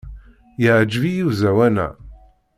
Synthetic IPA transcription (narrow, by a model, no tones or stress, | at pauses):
jəʕd͡ʒvijizæwænæ̰